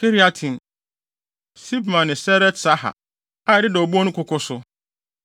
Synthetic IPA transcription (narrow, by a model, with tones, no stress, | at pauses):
kʰe˦ɾi˦a˦tʰĩ˨n˨ | si˦bmã˨nːɪ̃˨sɛ˦ɾɛ˦tsa˦ɦa̰˨ | a˦ɛ˨dɪ˦dɛ˨o˨bu˦o˦nʊ̃˦kʰʊ˦kʊ˦sʊ˦